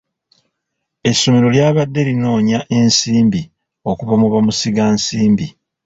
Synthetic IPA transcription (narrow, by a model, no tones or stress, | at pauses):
e̞sːo̞me̞ɾo̞ljaːβadːe̞lino̞ːɲaʔe̞nsiːmbi | o̞kuβamuβamusiɡaːnsiːmbi